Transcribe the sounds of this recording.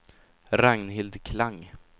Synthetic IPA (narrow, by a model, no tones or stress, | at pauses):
ɾaŋnɦɪld̪kʰlaŋː